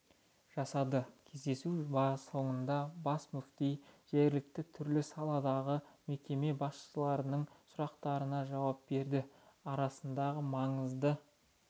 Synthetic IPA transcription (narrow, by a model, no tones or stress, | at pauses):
ʒ̥ɑsɑd̪əkʲʰe̞zd̪e̞subɑso̞ɴənd̪ɑbɑsmʏkt̪ejʒ̥e̞ɾlɪk̚t̪ɪt̪ʰʏɾlɪsɑlˠɑd̪ɑʁəme̞kʲe̞me̞bɑsʃsəlˠɑɾənəɴsʊɾɑqt̪ɑɾənɑʒɑwɑp̚be̞ɾd̪ɪɑɾɑsənd̪ɑʁəmɑɴəzd̪ə